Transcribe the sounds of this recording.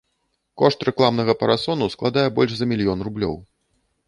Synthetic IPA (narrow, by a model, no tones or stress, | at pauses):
kɔʂt̪ɾɛklˠamnɐɣɐpɐɾasɔnusklˠad̪ajɛbɔlʲʂzɐmʲilʲjɔnrublʲɔ̰w